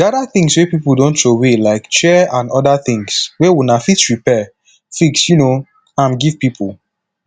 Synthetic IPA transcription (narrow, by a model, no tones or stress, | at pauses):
dadaθĩŋswepipldõntʃowelaɪkʃɛãnɔdaθɪ̃ŋswɛwunafitsɹipɛ | fiksjuno | ãmɡiv̥pipʰulˠ